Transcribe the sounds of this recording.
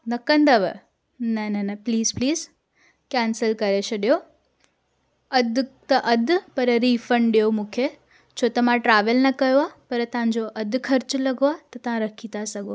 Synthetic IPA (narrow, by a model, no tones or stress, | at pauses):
nɐkə̃nd̪əʋə | nɐnɐnɐpliːzpliːz | kɛːnsəlkɐɾesʰɐɗijo | ɐd̪t̪ɐʔɐd̪ʱpɐɾɾiːfəɳɖɗijomũːkʰe | t͡ɕʰot̪ɐmãʈɾaːʋəlnɐkɐjoapɐɾt̪ɐʋ̤ãɲd͡ʑoʔɐd̪kʰɐɾt͡ɕlɐɡʱoat̪ɐt̪ɐʋ̤ãɾɐkʰit̪asɐɡʱo